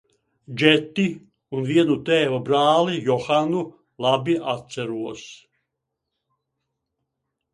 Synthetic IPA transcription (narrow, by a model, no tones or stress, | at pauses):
d͡ʒɛt̪ːi | unviɛnut̪ɛːvabɾaːlijɔxanu | lˠabiʔat̪sæɾuɔs